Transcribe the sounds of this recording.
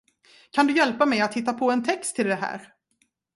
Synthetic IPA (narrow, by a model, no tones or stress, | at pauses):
kʰand̪ɵjɛlpamɛjat̪hɪt̪ːapʰɔɛnt̪ʰɛkst̪ʰːɪld̪ɛɦæ̰ːɾ